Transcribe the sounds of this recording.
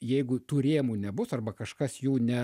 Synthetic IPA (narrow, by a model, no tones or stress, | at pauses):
jɛɪɡʊt̪uːɾʲeːmuːnʲɛbʊsɐrbɐkɐʃkɐsjuːnʲɛ